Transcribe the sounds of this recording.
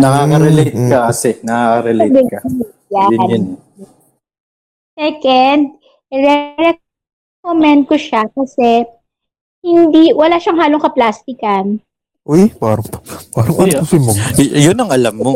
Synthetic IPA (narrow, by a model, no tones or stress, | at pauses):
nɐaɐɾɛlet̚ːkɐɐsɛnɐaɐɾɛljbɛkɐ | ja | sɛkɛnd̪̚ | ɾɛɾɛ | komɛnd̪̚koʃakɐsɛ | hɪnd̪iwɐlaʃɐŋɦaːloŋkɐplaːst̪ɪkɐn | ʔojbaːɾɐŋt̪ɐ̥baːɾɐŋʔɐɐsɪmboŋjʊnɐŋɐlɐmːo